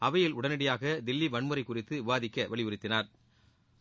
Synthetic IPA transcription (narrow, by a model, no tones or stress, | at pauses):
ɐʋɐjɪlʊɽɐnɪɽɐjaːɣɐd̪ɪlːiʋɐɳmɯɾɐɪkːʊrɪt̪ːɯɪʋaːðɪkːɐʋʔɐɭɪɯɾɪt̪ːɪnaːɾ